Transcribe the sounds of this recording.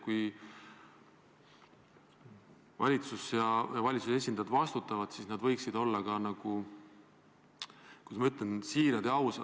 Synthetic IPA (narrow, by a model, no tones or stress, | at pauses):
kuj | vɑ̰lʲit̪susjɑjɑvɑlʲit̪suse̞s̬ʲind̪ɑjɑd̪vɑst̪ut̪ːˑɑvɑd̪̥sisnɑd̪vɤ̞jksid̪̥o̞lːɑkɑnɑɡ̥u | kusmɑyt̪ˑlensiːɾɑd̪eɑwsɑ